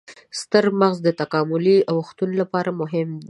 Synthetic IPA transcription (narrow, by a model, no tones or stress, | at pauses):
st̪əɾmaɣzd̪ət̪akɑmʊliawxt̪unlapɑɾamʊɦɪmd̪